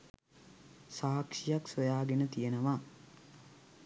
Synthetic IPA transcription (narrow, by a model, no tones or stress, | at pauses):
saːkʂijaksojaːɡenət̪ijenəʋa